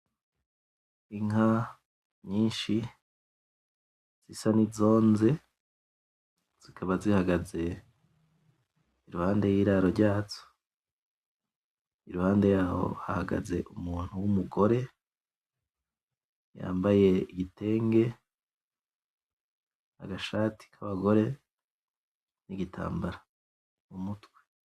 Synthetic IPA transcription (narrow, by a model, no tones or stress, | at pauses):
iŋa | ɲiːnʃi | z̥isanizo̞ːnze̞ | z̥ikʰaβazihaɡaze̞ | iɾuhaːnde̞jiːɾaɾo̞ɾɟaːzo̥ | iɾuhaːnde̞jaːho̞̰ha̰haɡa̰ze̞ʔumuːn̥huwumuɡo̞ɾe̞ | ja̰ːmbaje̞iɡite̞ːŋɡe̞ | a̰ɡaʃaːtʰi̥kʰaβaɡo̞ɾe̞ | niɡitʰa̰ːmbaɾa | mumutwe̥